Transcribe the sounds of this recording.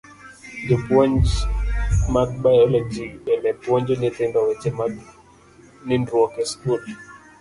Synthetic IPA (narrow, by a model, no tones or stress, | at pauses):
d͡ʒɔpwɔɲd͡ʒ | mad̪bajɔlɔd͡ʒiɛlɛpwɔɲd͡ʒɔnɪt̪ɪndɔwɛt͡ʃɛmad̪ | nɪndwɔkɛskul